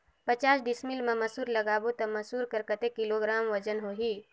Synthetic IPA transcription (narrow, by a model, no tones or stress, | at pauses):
pət͡ʃaːsɖɪsmilmẽməsuːɾləɡaːbot̪ɐmɐsuːɾkəɾkət̪ekɪloɡɾaːmʋəd͡ʒənɦoːɦi